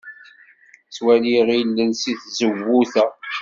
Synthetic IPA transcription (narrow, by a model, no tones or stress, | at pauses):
t͡swæliʁilːənsiθzəvːuθæ